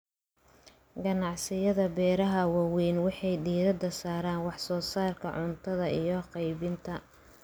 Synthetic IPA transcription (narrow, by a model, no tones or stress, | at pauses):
ɡɐnɑʕsɪjɐðɐbɛːɾɐɦɐwɑwɛːnwɑħɑjɖiːɾɐd̪ɐsaːɾaːnwɑħsɔːsaːrkʰɐ̰ʕʊnt̪ʰɐðɐijɞqɑjβɪnt̪ʰɐ